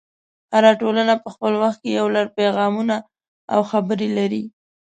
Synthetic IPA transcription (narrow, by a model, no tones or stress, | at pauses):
haɾɑʈolənapəxpəlwaxt̪̚kejawlaɾpeɣɑmuna | a̰wxabəɾelaɾi